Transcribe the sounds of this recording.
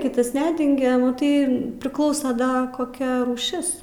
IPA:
ˈkʲɪtɐs ˈnʲæːdʲɛŋʲɡʲɛ mɐˈtɐɪ pʲrʲɪˈklˠɐʊsɐ ˈdɐ koːˈkʲɛ ruːˈʃʲɪs

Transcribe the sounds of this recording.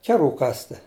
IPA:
ˈkʲæːˌruː ˈkɑːsʲtʲɪ

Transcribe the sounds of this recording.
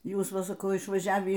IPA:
ˈjuːs ˈʋɐ sɐˈkɐʊ ɪʃʋɐˈʒʲæːʋʲiː

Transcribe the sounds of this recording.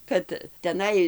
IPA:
ˈkɐt tʲɛˈnɐɪ

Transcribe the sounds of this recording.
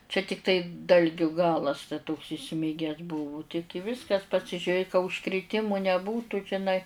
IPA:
t͡ʃʲɛ ˈtʲɪktɐɪ ˈdɐlʲɡʲʊ ˈɡɑːlˠɐs tɐ toːks ɪˈsʲmʲɪɡʲɛs ˈbʊʋʊ tʲɪ tʲɪ ˈʋʲɪskɐs pɐsʲɪʒʲʊˈrʲeː kɐ ʊʃkrʲɪˈtʲɪmʊ nʲɛˈbuːtuː ʒʲɪˈnɐɪ

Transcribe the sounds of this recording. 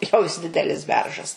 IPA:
jɛʊ jɪs ˈdʲɪdʲɛlʲɪs ˈbʲɛrʒɐs

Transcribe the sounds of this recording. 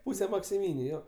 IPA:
ˈpʊsʲɛ mɐksʲɪˈmʲiːnʲʊ ˈjoː

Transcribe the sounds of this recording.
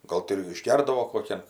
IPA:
ˈɡoːlˠ tʲɪ ɪr ɪʒʲˈɡʲɛrdɐʋoː koːˈkʲɛn

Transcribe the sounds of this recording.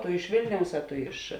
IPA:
tʊ ɪʃ ˈʋʲeːlʲnʲɛʊs ɐ ˈtʊ ɪʃ

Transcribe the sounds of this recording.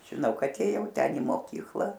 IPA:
ʒʲɪˈnɐʊ ˈkɐt eːˈjɛʊ ˈtʲɛn ɪ moːˈkʲiːklˠɐ

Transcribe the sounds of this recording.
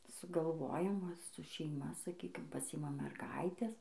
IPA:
sʊɡɐlˠˈʋoːjɛm ˈʋɐ sʊ ʃʲɛɪˈmɐ sɐˈkʲiːkʲɪm pɐˈsʲɪɪmɐm mʲɛrˈɡɐɪtʲɛs

